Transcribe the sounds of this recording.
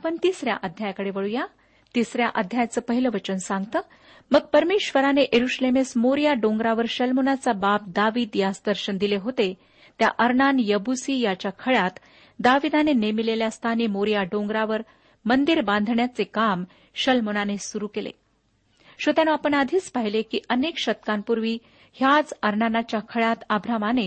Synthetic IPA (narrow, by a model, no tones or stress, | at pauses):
apəɳt̪isɾja̰ʔəd̪ʱjajakəɽeʋəɭuja | t̪isɾjaʔəd̪ʱjajat͡səːpəɦiləʋət͡ɕənsãŋɡt̪əː | məɡ̚pəɾmeɕʋəɾaneʔeɾuɕlemesmoɾijaɖõŋɡɾaʋəɾɕəlmonat͡sabap̚d̪aʋiːd̪jasd̪əɾɕənd̪ileɦot̪e | t̪ja̰ʔəɾnanjəbusiːjat͡ɕjakʰəɭat̪ | d̪aʋid̪anenemileljast̪ʰanimoɾijaɖõŋɡɾaʋəɾ | mənd̪iɾbãnd̪ʱɳjat͡sekam | ɕəlmonanesuɾukelḛ | ɕot̪janoapəɳad̪ʱiːt͡spaɦilekiʔənekɕət̪kampuɾʋiː | hjat͡səɾnanat͡ɕjakʰəɭat̪əbʱɾamane